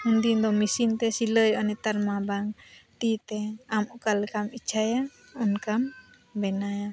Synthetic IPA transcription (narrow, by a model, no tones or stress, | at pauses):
hundind̪ɔmisint̪ɛsiləjɔnɛt̪aɾmabaŋt̪it̪ɛamukalkamit͡ʃʰaja | ɔnkam | bɛnaja